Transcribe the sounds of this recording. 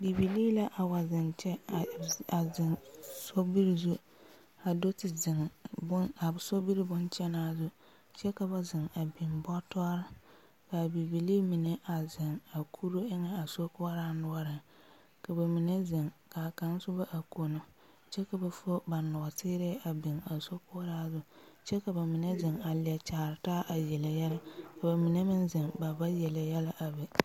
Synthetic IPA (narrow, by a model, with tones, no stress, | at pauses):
bi˨bi˨liː˦la˦ʔa˨wa˨zɪ˨ŋt͡ʃɛ˦˨a˨zɪ˨ŋso˦bi˦ɾi˨zu˦ | a˨do˦tɪ˨zɪ˨ŋbʊ˦a˨so˦bi˦ɾi˦bʊ˦nt͡ʃɛ˦naː˦˨zʊ˦ | t͡ʃɛ˦ka˨ba˨zɪ˨ŋa˨bi˨mbɔ˦tɔ˦ɾɪ˦ | ka˨bi˨bi˨liː˦mi˨ne˦ʔa˨zɪ˨ŋa˨kʰu˦ɾo˦ɪ˦ŋɛ˦a˨so˦kʊ˦a˦ɾa˦nʊ˦ɔ˦ɾɪ˨ | ka˨ba˨mi˨ne˦zɪ˨ŋka˨ka˨˦n˦sʊ˦ba˦ʔa˨ko˨no˦ | t͡ʃɛ˦ka˨ba˨fo˦ba˨nʊ˨a˨tɪː˦ɾɛ˦a˨bɪ˨ŋa˨so˦kʊ˦a˦ɾaː˦zʊ˦t͡ʃɛ˦ka˨ba˨mɪ˨ne˦zɪ˨ŋa˨lɪ˨ɛ˨t͡ʃaː˨ɾɪ˨taː˦ʔa˨jɛ˨la˨jɛ˦la˦ka˨ba˨mi˨ne˦mɪ˦nzɪ˨ŋba˨ba˦jɛ˨la˨jɛ˦la˦ʔa˨bɛ˨